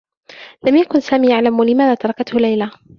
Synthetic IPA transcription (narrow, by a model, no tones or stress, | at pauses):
lamjakʊnsaːmiːjaʕlamwalɪmaːðaːt̪ɑɾˤɑkat̪hʊlajla